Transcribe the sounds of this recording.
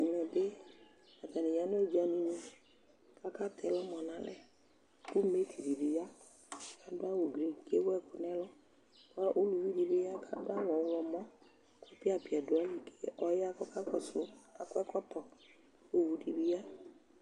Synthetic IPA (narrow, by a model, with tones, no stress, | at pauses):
ŋɛ̃˨be˦ | a˨t̪a˨nĩ˨ja˦no˦d͡ʒa˨nĩ˨nũ˦ | ka˦ka˦t̪ʰɛ˨lɔ˦mɔ̃˨nã˨lɛ̰˨ | ku˦me˦t̪ʰi˨di˨be˨ja˦ | ka˦dʊ˦a˦wo˨ɡɾi˨ke˦wo˦ɛ˦ku˨nɛ̃˦lɔ˦ | ʔo˦lu˨vi˦di˨be˦ja˦kʰa˦dʊ˦a˦wɔ˨wɔ˨mɔ̃˦ | kɔ˦pi˦a˦pi˨a˨dʊ˨a˦li˨ke̥˦ʔɔ˦ja˦kɔ˦ka˦kɔ˦sʊ˦a˨kʊ˦ɛ˦kɔ˦tɔ˨ | wo˦wu˨˦di˨bi˦ja˦